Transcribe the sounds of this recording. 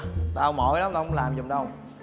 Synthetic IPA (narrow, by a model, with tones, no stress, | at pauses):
t̪aː˧ə˧˦wŋ͡mmo̰˨˩˦jla˨˦mt̪aː˧˩˧ŋ͡mlaː˨˩mzʊ˨˩ŋ͡mɗə˧w